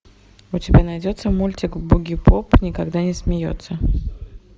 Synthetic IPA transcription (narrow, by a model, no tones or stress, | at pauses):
ʊtʲɪbʲanɐjdʲo̞t̪səmulʲtʲɪkbʊɡʲɪpʰopnʲɪkɐɡd̪anʲɪsmʲɪjo̞̰t̪sə